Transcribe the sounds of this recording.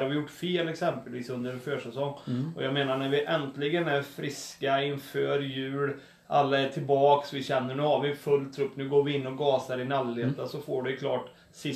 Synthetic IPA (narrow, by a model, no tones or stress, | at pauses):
aɾvʋɪjʊʈːfeːlɛksɛmpəlviːsɵnd̪əɾɛnføːʂɛsɔŋːɔjɑːɡmeːnaɳæɾʋɪʔɛnt̪lɪɡənæɾfɾɪskaɪnføːɾjʉ̟ːɽ | ʔalːaɛʈʰɪlbɑːksʋɪɕɛnːəɳʉ̟ːhaɾʋɪnfɵlːt̪ʰɾɵpːnʉːɡoːɾvɪɪnːɔɡɑːsaɾɪnalːeːt̪ːasɔfoːɖɵjkʰlɑːʈ | sɪ